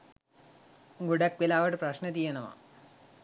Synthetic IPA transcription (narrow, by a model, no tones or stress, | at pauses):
ɡuɽɐkʋilaːʋɐɽɨprɐɕnɐt̪ijɐnɐma̰